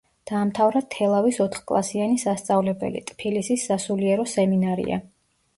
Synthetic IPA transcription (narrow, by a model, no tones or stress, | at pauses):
d̪̥aːmt̪ʰavɾat̪ʰɛlˠavisɔt̪ʰχkʼlˠa̰sianisast̪sʼavlɛbɛ̰lḭt̪ʼpʰilisisːasuliɛɾɔsɛminaɾḭa̰